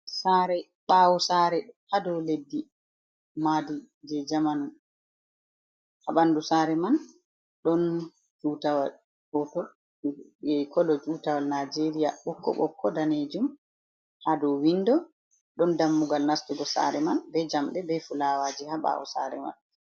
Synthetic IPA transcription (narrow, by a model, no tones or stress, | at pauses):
saɾɛ | ɓawɔsaːɾɛhadɔwledːi | madi | d͡ʒɛd͡ʒamanum | haɓandusaɾɛman | ɗɔn | d͡ʒuːtawal | hɔtɔ | ɛkɔlɔd͡ʒutawalnad͡ʒeɾija̰ɓɔkːɔ̰ɓɔ̰kʰːɔdaned͡ʒum | hadɔwinːdɔ | ɗɔndamːuɡalnastuɡɔsa̰ɾɛmanbɛd͡ʒamɗɛbɛfulawaːd͡ʒihaɓa̰wɔ̰saɾɛma̰n